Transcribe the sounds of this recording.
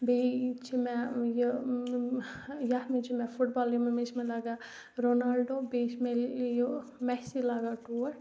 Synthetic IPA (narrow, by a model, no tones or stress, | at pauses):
bet͡ʃʰimɛ̃j | jahmet͡ʃʰimɛ̃fʰuʈ̚baːlomemesmẽlaɡa | ɾonalɖobesmeljomɛsilaːɡaʈuːɾ